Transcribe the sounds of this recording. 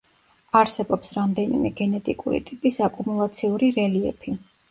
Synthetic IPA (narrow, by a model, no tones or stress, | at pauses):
aɾsɛbɔpsɾamd̪ɛnḭmɛ̰ɡɛnɛt̪ʼikʼuɾḭt̪ʼipʼisakʼumulˠat̪sʰiuɾiɾɛliɛ̰pʰi